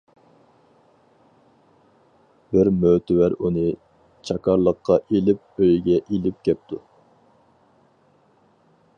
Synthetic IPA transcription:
b̥ɪɾmøt̪ɪwæɾunɨ | t͡ʃʰɑkʰɑɾlˠəqʰːɑʔelɪp̚øjɡʲɛʔilɪp̚kʲʰɛp̚t̪ʰu

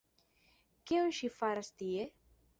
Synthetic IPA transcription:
keũnʃifaɾast̪ie

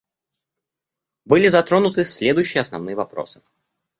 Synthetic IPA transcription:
bɨlʲɪzɐt̪ɾo̞nʊt̪ɨsʲlʲed̪ʊjɕːɪjəɐsnɐ̰vnɨjəvɐpɾo̞̰sɨ̥

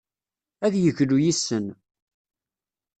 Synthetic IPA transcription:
æðjəʝlujisːən

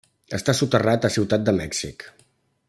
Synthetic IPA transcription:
əst̪asut̪ərat̪əsiwt̪at̪̚d̪əmɛksik

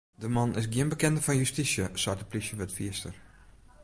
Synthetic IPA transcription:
dəmɔnɪs̬ɡjiənbəkɛndəfɔnjystisjəswatəplisjəʋɛtfiəstər

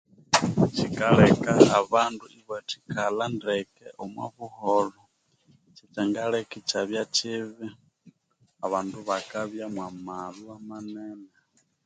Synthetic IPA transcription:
t͡ʃikalɛkaaβanduiβati̥kalandɛkɛ̰ʔomwa̰βuholɔ | t͡ʃit͡ʃaŋɡaɺɛkit͡ʃaβjat͡ʃiβi | aβaːnduβakaβjamwamaluamanɛna

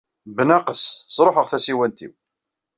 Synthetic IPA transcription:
bənæqəssˤɾˤoħəʁθæsiwænt̪ḭw

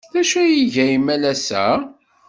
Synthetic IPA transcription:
θæʃujiʝæjimælæsæ̰

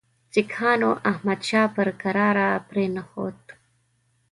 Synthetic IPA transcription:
t͡sikʰɑːnoʔahmad̪ʃɑːpəɾkaɾɑːɾapɾeːnaxo̰ːt̪

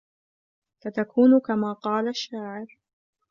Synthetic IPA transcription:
sat̪akuːnkamaːqɑːlaʃːaːʕɪɾ

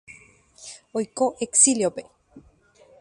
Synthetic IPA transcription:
oikoʔeksiljope

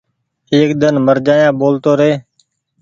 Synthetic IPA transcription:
eːkd̪ənməɾd͡ʒaːjãːboːlt̪oːɾeː

